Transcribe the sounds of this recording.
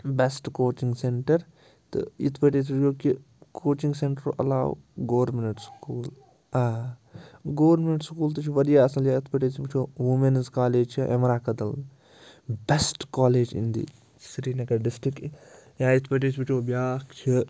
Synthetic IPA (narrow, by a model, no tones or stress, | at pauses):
besʈkoːt͡ʃiŋɡseɳʈɐɾ | t̪ɨ̰ḭt̪ʰbɐʈiːs̬bikʲoːki | kʰoːt͡ʃiŋɡseɳʈɾoɐ̰la̰ːʋɡoːɾminɐʈskuːl | aː | ɡoːɾminɐʈskuːlt̪ɨt͡ʃʰiʋɐd̪ijaːɐsɐljaːit̪ʰbɐʈiːsibit͡ʃʰoːʋumenzkaːleːd͡ʒt͡ʃʰiʔḛmɾaːkɐd̪ɐl | besʈkaːleːd͡ʒḭnd̪ḭː | sɾiːnɐkɐɖɪsʈɾikjaːit̪ʰbɐʈ̬iːsʰbit͡ʃʰoːbjaːkt͡ʃʰi